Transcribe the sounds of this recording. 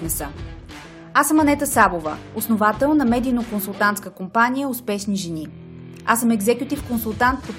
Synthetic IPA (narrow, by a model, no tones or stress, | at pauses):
nɛsə | asəmɐnɛt̪əsabovə | osnovat̪ɛlˠnɐmɛd̪inokonsulˠt̪ant̪skəkompanʲijəʊspɛʃniʒɛni | asəmɛɡzɛkʲjʊt̪ifkonsulˠt̪ant̪̚pot̪